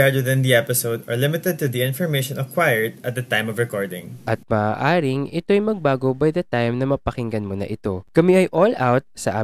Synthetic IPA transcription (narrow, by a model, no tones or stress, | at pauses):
ɛɹd̪wɪðɪ̃nd̪iɛpɪsoʊd̪ɐɹlɪmɪt̪ɛd̪̚t̪ʊd̪iɪ̃nfɔɹmejʃɔ̃nɐkwajəɹd̪ɐt̪̚d̪ɐt̪ãjmɔvɹɛkɔɹd̪ɪ̰̃ŋʔɐt̪̚maːaːʔaːɾɪŋʔɪt̪o̞ɐjmɐɡ̚baːɡo̞bajd̪ɐt̪ajmnɐmɐpɐkɪŋɡɐnmonɐ̰ʔɪt̪o̞kɐmɛɐjʔolawt̪̚sɐʔa̰ː